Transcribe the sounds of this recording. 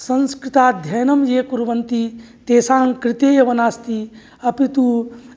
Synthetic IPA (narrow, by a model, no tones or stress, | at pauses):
sɐ̃nskɾit̪aːd̪ʱjɐjnɐmjeːkuɾʋɐnt̪i | t̪eːsaːŋkɾit̪eːjɐʋɐnaːst̪i | ɐpit̪u